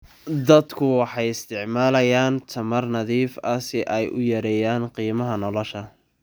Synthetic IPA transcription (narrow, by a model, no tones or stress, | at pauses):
d̪ɐd̪kʰʊwɑħɑjɪst̪ʰɪʕmaːlɐjaːnt̪ʰɐmɐrnɐðiːfɐsɪʔɛjʔʊjɐɾɛjaːnqiːmɐɦɐnɔlɔʃɐ